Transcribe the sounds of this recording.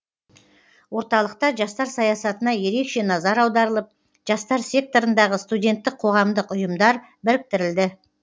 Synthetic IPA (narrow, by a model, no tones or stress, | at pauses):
wo̞ɾt̪ɑlˠəq̚t̪ɑʒɑst̪ɑɾsɑjɑsɑt̪ənɑje̞ɾe̞kʃe̞nɑzɑɾɑwd̪ɑɾəlˠəp̚ | ʒ̥ɑst̪ɑɾsʲe̞k̚t̪o̞ɾənd̪ɑʁəst̪udʲe̞nt̪ːɪk̚qʰo̞ʁɑmd̪əqʊjəmd̪ɑɾ | bɪɾɪk̚t̪ɪɾɪld̪ɪ